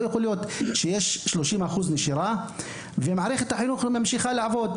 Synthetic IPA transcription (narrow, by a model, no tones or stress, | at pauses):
jexolijot̪ʃejeʃːloʃimaχuzneʃiɾa | vemaʕaɾeχet̪aħinuχmamʃiχalaʕvod̪